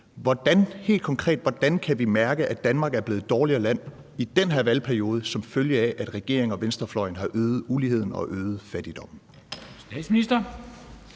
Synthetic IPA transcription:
ʋɒd̥ænhe̝̰ːld̥kʰɒ̽ŋkʰʁɛ̰ːd̥ʋɒd̥ænkʰæʋimæɐɡ̥əʔæd̥ænmɑ̈ːɡ̥æɐb̥e̝ːð̞̩ˠd̥ɒːliɐlæn̰ | id̥enɦeɐʋælpʰæɐio̝ːð̞ˠəsɒ̽mføljəæʔæd̥ʁɛɡ̥e̝̰ɐ̰e̝ŋɒ̽ʋensd̥ɐflɒɪənɦɑ̈ʔøːð̞̩ˠulihe̝ð̞̰ˠn̩ɒ̽ʔøːð̩ˠfæd̥id̥ɒ̽m̰n̩ | sd̥ɛ̰̥sminisd̥ɐ

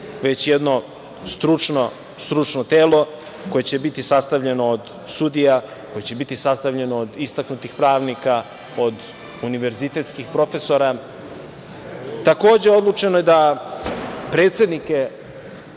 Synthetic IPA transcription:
ʋet͡ɕjed̪no̞ | st̪ɾut͡ʂno | st̪ɾut͡ʂnot̪eːlˠo̞ | ko̞jet͡ɕe̞bit̪isast̪aʋʎe̞no̞ːd̪ | sud̪ija | ko̞jet͡ɕebit̪isast̪aʋʎe̞no̞ːd̪ist̪aknut̪ixpɾaːʋnika | o̞d̪ | uniʋe̞ɾzit̪e̞t̪skixpɾo̞fe̞so̞ɾa | t̪ako̞ːd͡ʑe̞o̞d̪lˠut͡ʃe̞nojed̪a | pɾeːt̪se̞d̪nike

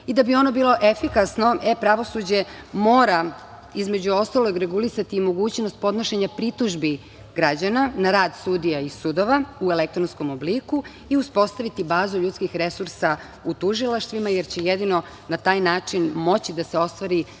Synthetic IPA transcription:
id̪abio̞nobiːlˠo̞ʔefikasno̞ʔepɾaʋo̞sud͡ʑe̞mo̞ːɾa | izme̞d͡ʑuo̞st̪aloɡɾeɡulisat̪iːmo̞ɡuːt͡ɕno̞st̪̚po̞d̪noʃeɲapɾit̪uʒbi | ɡɾad͡ʑananaɾaːd̪sud̪ijaisud̪oʋauelek̚t̪ɾonsko̞mobliku | iuspo̞st̪aʋit̪ibaːzuʎut̪skixɾe̞suɾsa | ut̪uʒilˠaʃt̪ʋimajeɾt͡ɕejed̪ino̞ | nat̪aːjnaːt͡ʂinmo̞t͡ɕid̪aseo̞st̪ʋaɾi

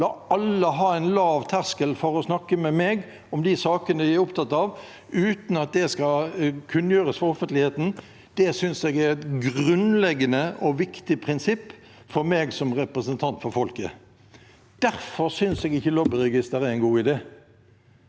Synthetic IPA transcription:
lɑːɑlːəɦɑːɛɪnlɑːʋt̪ʰæʁskəlfɔɾɔsnɑkːəmɛmeːɡ | ɔmd̪ɪsɑːkənəʋɪæɾʊpt̪ʰɑt̪ːɑʋ | ʉːt̪n̩ɑt̪̚d̪ɛskɑkʰʉnːjøːɾəsfɔɾɔfənt̪lɪheːt̪n̩ | d̪̥ɛsʏnsɛɡæɾɛt̪ɡɾʉnlɛɡːənəʔɔʋɪkt̪ɪpʰɾɪnsɪpː | fɔɾmeːɡsɔmʁɛpɾəsənt̪ʰɑnt̪fɔɾfɔlkə̰ | d̪̥æɾfɔɾsʏnsɛɡɪçːəlɔbɪɾɛɡɪst̪əɾæɛnɡuːɪd̪eː

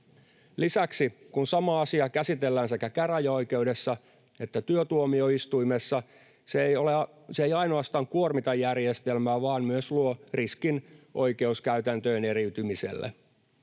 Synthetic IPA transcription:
lisæksikunsɑmɑɑsiɑkæsit̪e̞lːæːnse̞kækæræjɑo̞ike̞ude̞sːɑ | e̞t̪ːæt̪yøt̪uomio̞ist̪uime̞sːɑ | sejoleɑ | seejɑino̞ɑst̪ɑːŋkuormit̪ɑjːærjest̪elmæːʋɑːnmyøsluoriskinʔo̞jke̞uskæyt̪ænt̪øːne̞ɾiyt̪ymisḛlːḛ

